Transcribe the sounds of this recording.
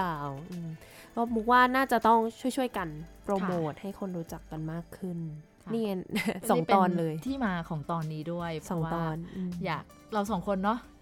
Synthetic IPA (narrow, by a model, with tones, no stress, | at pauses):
aː˧˩wʔɯː˧m | kɔ˦˥˩muː˨˦˥kwaː˥˩naː˥˩t͡ɕa˨˩t̪ɔ˥˩ŋt͡ɕʰu˥˩əjt͡ɕʰu˥˩əjka˧npɾoː˧moː˨˩t̪̚ha˥˩jkʰo˧nɾuː˦˥t͡ɕa˨˩kːa˧nmaː˥˩kʰːɯ˥˩n | niː˥˩˧sɔ˩˦ŋt̪ɔː˧nlɤː˧jt̪ʰiː˥˩maː˧kʰɔː˩˦ŋt̪ɔː˧nːiː˦˥du˥˩əjpʰsɔː˧˩˦ŋwaːt̪ɔː˩˧nʔɯː˧jaː˨˩k̚ | ɾa˧ws̬ɔː˩˦ŋkʰo˧nːɔ˦˥